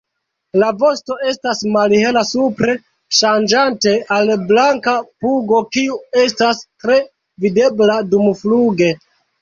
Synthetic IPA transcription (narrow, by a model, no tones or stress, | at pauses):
lavo̞sto̞e̞stasmalhe̞lasupɾe̞ | ʃand͡ʒante̞alblaŋkapuɡo̞kiue̞stastɾe̞ | vide̞bladumfluɡe̞